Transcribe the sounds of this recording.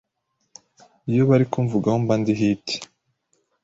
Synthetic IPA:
ijoβaɾikuɱvuɡahombandiɦitʰi̥

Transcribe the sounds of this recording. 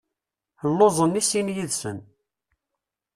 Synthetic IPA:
θəlːozˤənisinjiðsə̰n

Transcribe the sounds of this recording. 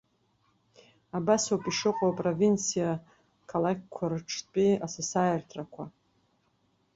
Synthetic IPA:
abasawpʼiʂɨqʷʼapʼrovint͡sʰija | kʰalakʲʰkʷʰarɨʈ͡ʂʰpʼiasasajɪrtʰrakʷʰa

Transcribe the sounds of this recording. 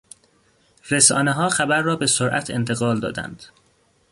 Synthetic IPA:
resɒ̰ːneɦɒːxæbæɾːɒːbe̞soɾʔæ̰t̪ʰe̞̰nt̪ʰeɣɒːld̪ɒ̰ːd̪æ̰nd̪̥

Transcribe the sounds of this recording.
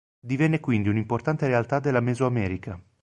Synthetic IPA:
d̪ivɛnːekwind̪iunimport̪ant̪eɾealt̪ad̪elːamɛzoamɛːɾikʰa

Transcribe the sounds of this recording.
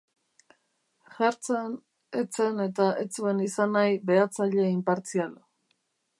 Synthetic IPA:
ʝaɾt͡sen | et͡se̞ne̞t̪aʔet͡sue̞nisanajβe̞at͡saʎe̞impaɾt͡sial

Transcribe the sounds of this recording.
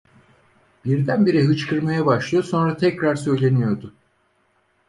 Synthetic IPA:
b̥iɾd̪ænbiɾiɦɯt͡ʃkʰɯɾmajabaʃlˠɯjo̞so̞nɾat̪ʰɛcɾaɾsø̞jlʲe̞nijo̞ɾd̪ʊ

